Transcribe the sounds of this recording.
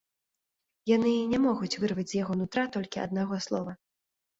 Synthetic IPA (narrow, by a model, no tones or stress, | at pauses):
janɨnʲɛmɔɣut͡sʲvɨrvɐd͡zʲzʲjaɣɔnut̪ɾat̪ɔlʲkʲiɐ̰d̪naɣɔslˠɔvɐ